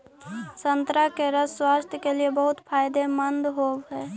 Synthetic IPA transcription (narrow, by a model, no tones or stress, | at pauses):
sənt̪ɾakeɾəsswaːst̪ʰjəkeliebəɦʊt̪pʰaːjd̪emənd̪ɦowɦɛː